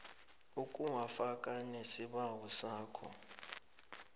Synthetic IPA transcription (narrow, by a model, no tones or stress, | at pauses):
ukʼuŋafakʼanesiɓawɔsaːkʰɔ̰